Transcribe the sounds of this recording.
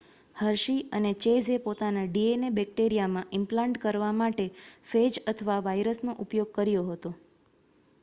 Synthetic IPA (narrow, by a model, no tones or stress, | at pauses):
həɾʃiənet͡ʃed͡ʒepot̪anaɖienebɛk̚ʈeɾijamãʔɪmplãɳʈkəɾʋamaʈefed͡ʒət̪ʰəʋaʋajɾəsnoʔupjoɡ̚kəɾjoɦət̪o